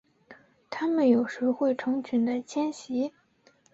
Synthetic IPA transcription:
t̪ʰa˥mə˨njo˨˩ʊʂɻ̩˧˥xwe˥˩ɪʈ͡ʂʰɤ˧˥ŋt͡ɕʰy˨˩nd̪ə˦t͡ɕʰjɛ˥nɕi˧˥

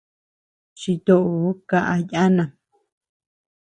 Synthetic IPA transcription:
t͡ʃi˧t̪o˧˨ʔo˧˦ka˧ʔa˧ja˦nã˨

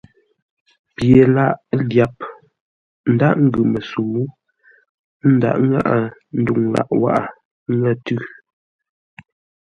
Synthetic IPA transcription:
pje˨la˦˨ʔlja˨p̚ | n̩˨da˦ʔŋ̩˦ɡʉ˨mə˨su˨˦ | n̩˦da̰˨ʔŋa̰˦ʔa˨n̩˦du˦˨ŋla̰˨ʔwa̰˦ʔa˨ | ŋə˦˨tʉ˦

